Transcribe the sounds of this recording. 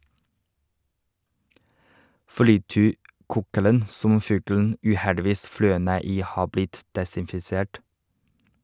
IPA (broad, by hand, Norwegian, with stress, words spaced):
flɪˈtyːˌkuːkələn ˈsɔm ˈfʉːɡln̩ ʉːˈhɛɖɪˌʋiːs ˈflœʏ ˈneː ˈiː ˈhɑː ˈblɪt dɛsɪnfɪˈseːʈ